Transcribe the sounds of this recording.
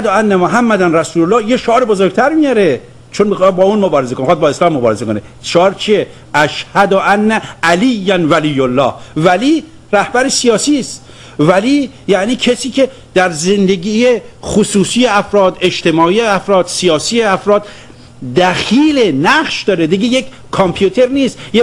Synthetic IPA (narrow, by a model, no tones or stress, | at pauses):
hæd̪oænːæmoɦæmːæd̪ænræsuːlolːɒːhjeʃoɒːɾebozoɾɡ̚t̪ʰæɾmijɒɾe | t͡ʃʰonbexbɒːuːnmobɒːɾezekomexɑd̪bɒːeslɒːmːobɒːɾezekone | ʃoɒːɾt͡ʃʰije | æʃhæd̪oʔænːæælijːænvælijːolːɒːhvæliː | ɾæhbæɾesijɒːsiːst̪ | væliː | jæʔniːcʰesiːkʰe | d̪̥æɾze̞nd̪eɡiːjeχosuːsiːeæfɾɒːd̪e̞d͡ʒt̪e̞mɒːijeæfɾɒːd̪̥sijɒːsiːeæfɾɒːd̪ | d̪æxiːlenæχʃd̪ɒːɾed̪iɡejek | kʰompʰjut̪ʰeɾniːst̪je